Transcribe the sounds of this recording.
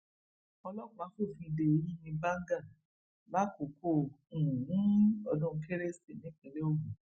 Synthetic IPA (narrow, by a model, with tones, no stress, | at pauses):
ɔ˧lɔ˦˨ka˨˦fo˦˨fĩ˧i˧de˨˦jĩ˦mĩ˧ba˦ɡa˦˨ | la˦ko˨˦kõ˦˨ũ˦ɔ˧dũ˦˧ke˦ɾe˦si˨nĩ˦k͡pe˨ɾe˦o˦˨ɡũ˨